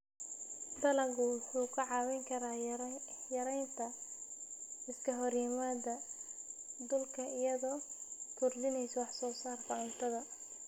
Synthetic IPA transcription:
d̪ɐlɐɡʊħuːkʰɐʕɑːwɛŋkʰɐɾaː | jɐɾɛjnt̪ʰɐ | ɪskʰɐɦɔrjɪmaːd̪ɐ | d̪ʊlkʰɐɪjɐðɔːkʰʊrd̪ɪnɛjsɔwɑħsɔːsaːrfɐɪnt̪ʰɐðɐ

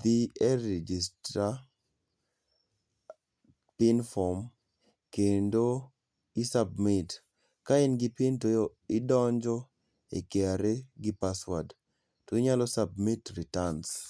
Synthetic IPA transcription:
d̪iɛɾed͡ʒistɾa | pɪnfɔm | kendo | isabmɪt | kaɪnɡɪpɪntojo | ɪdɔɲd͡ʒɔ | ḛkeaɾeɡɪpaswad | tɔiɲalɔsab̚mitɾitans

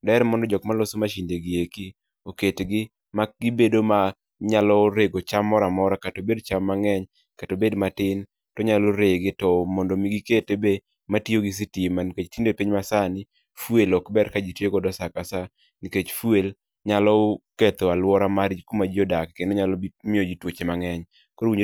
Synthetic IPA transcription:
dɛɾmɔndɔd͡ʒɔkmalɔsomaʃindeɡieki | oketɡɪ | maɡibedoma | ɲalɔɾeɡot͡ʃamːɔɾamɔɾakatobedt͡ʃamːaŋɛɲ | katobedmatɪn | tɔɲaloɾeɡɪtɔmɔndomiɡiketebe | matjoɡɪs̬itimaniket͡ʃtindepiɲmasanɪ | fwelɔkbɛɾkad͡ʒitjeɡɔdɔsakasa | niket͡ʃfwel | ɲalɔket̪ɔalwɔɾamaɾd͡ʒikumad͡ʒiodakkendoɲalɔbimɪod͡ʒitwot͡ʃemaŋɛɲ | koɾowiɲ

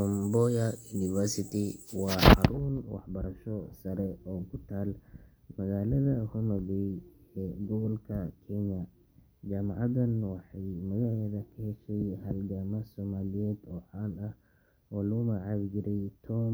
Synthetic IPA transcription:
ɔmbɔjɐjuːnɪvɛɾsɪt̪ʰɪwɑːħhɑɾuːnwɑ̰ħbɐɾɐʃɔsɐɾɛɔːkʰʊt̪ʰaːl | mɐɣaːlɐðɐhʊmɐβɛjɛːɡɔɣɔlkʰɐkʰɛɲɐ | d͡ʒaːmɑʕɑd̪ɐnwɑħɑjmɐjɐɦɛːðɐkʰɐhɛʃɛjhɐlɡaːmɐsɔːmaːlɪjɛːd̪ɔːʕaːnɐh | ɔːlɐɣʊmɐʕɑβd͡ʒɪɾɛjt̪ʰɔːm

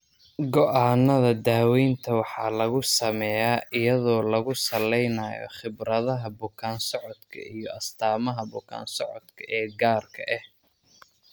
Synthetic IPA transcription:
ɡɔʔaːnːɐðɐd̪aːwɛjnt̪ʰɐwɑħɑːlɐɣʊsɐmɛjaːʔɪjɐðɔːlɐɣʊsɐlɛjnɐːjɔ̰χɪbɾɐðɐɦɐbʊkʰaːnsɔʕɔd̪kʰɐ̰ijɔɐst̪ʰaːmɐɦɐbʊkʰa̰ːnsɔʕɔd̪kʰɐʔɛːɡaːrkʰɐʔɛh

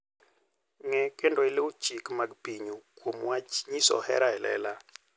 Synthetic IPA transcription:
ŋɛkendoileut͡ʃikmaɡpiɲokwomwat͡ʃɲisɔ̰hɛ̰ɾaɛlɛ̰la

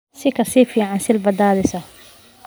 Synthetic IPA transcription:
sikasifiʕansɪlbad̪aːɾɪsa

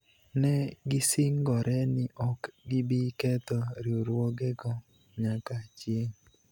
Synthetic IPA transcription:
nɛɡɪsiŋɡɔɾʔɛnɪʔɔkɡɪbikɛt̪ɔɾioɾwoɡɛɡɔ | ɲakat͡ʃjeŋ

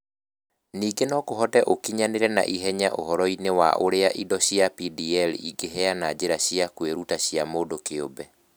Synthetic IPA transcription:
niːɡenɔkoɦɔtɛʔokiɲaneɾɛna̰ʔiɦɛɲaʔoɦɔɾɔinewa̰ʔoɾeaʔidɔɕiapidiɛlḭɡeɦɛanad͡ʑeɾaɕiakweɾutaɕjamoːdokeobɛ

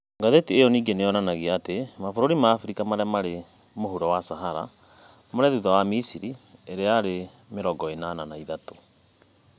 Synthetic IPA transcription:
ŋɡaðetiejɔniːɡenejɔnanaɣiatemafoɾoɾimaːfuɾikamaɾeamaɾe | moɦuɾɔwasaɦaɾa̰ | moɾɛðuðawamisiɾieɾeaɾe | meɾɔɡɔenananaiðato̥

